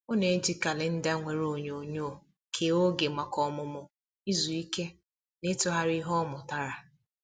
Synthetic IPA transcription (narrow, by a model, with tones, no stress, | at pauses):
o˦ne˨˦d͡ʒi˦ka˨lɪ˦n̩˦da˦ŋʷe˨ɾo˨ɲo˨ɲoː˦˨ | kʰe˨o˦ɡe˨ma˨kɔ˨mʊ˨mʊ˨ | i˦zu˨i˦ke˦ | nɪ˦tʊ˦ɦa˦ɾi˦ɦɔ˦mʊ˨ta˦ɾa˨